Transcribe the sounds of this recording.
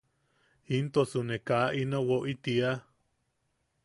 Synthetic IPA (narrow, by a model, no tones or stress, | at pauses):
int̪osunekaʔinowoʔit̪ia